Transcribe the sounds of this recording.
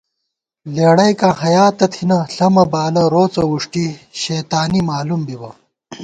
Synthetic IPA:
leːɽɐjkãːɦɐjaːt̪ɐt̪ʰinɐɬɐmɐbaːlɐɾoːt͡sɐwuʂʈiɕeːt̪aːnimaːlumbibɐ

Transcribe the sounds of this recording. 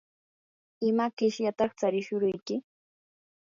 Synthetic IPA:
ɪmakɪʃjat̪ɑχt͡saɾɪʃʊɾʊjkɪ

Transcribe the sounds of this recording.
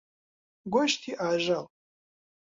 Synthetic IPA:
ɡʷoʃtʰiʔaːʒal

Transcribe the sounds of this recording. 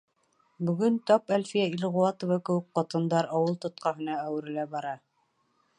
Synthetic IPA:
bɵ̆ɡɵnt̪ɑpælʲfijæilʁuwɑt̪ŏvɑkɘ̆wɘk̚qɑt̪ɤ̆nd̪ɑɾɑwɤlˠt̪ŏt̪̚qɑɦɤ̆nɑæwɘ̆ɾɘ̆læbɑɾɑ

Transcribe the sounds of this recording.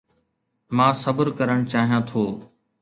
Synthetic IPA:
mãːsəbəɾkəɾəɽ̃t͡ɕaːɦijãːt̪ʰoː

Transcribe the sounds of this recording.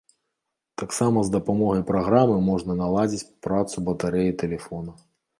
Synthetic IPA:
t̪aksamɐzd̪ɐpamɔɣɐjpɾaɣɾamɨmɔʐnɐnalˠad͡zʲit͡sʲpɾat̪subɐt̪aɾɛjit̪ɛlʲɛfɔnɐ

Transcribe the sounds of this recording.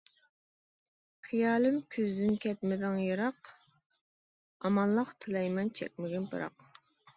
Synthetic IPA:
χijɑːlɪmkʲʰyzd̪ynkʲʰɛt̪̚mɪd̪ɪŋjɨɾɑq | ɑmɑlˠːɑqt̪ʰɨlɛjmɛnt͡ʃʰɛ̰k̚ʲmɪɡʲɛnbɨ̰ɾɑ̰q

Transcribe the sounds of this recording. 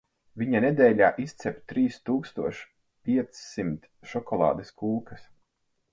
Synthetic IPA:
viɲaned̪ɛːʎʲaːʔist̪sɛpʲt̪ɾiːst̪uːkst̪uɔʃ | pʲiɛt̪sːimt̪ | ʃɔkɔlˠɑ̰ːd̪eskuːkɐs

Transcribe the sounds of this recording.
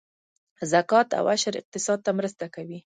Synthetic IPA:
zakɑt̪a̰waʃəɾɪ̰q̚t̪ɪsɑd̪̚t̪amɾəst̪akawi

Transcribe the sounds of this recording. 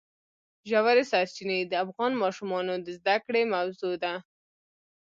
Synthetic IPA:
ʒawaɾesaɾt͡ʃinid̪əafɣɑnmɑʃumɑnod̪əzd̪akɽemawzod̪a

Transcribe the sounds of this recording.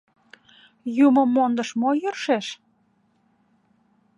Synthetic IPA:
juməmːond̪əʃmojyrʃeʃ

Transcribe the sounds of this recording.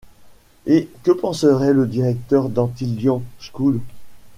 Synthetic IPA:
ekəpɑ̃səʁɛləd̪iʁɛk̚t̪œʁd̪ɑ̃t̪iljɔ̃skul

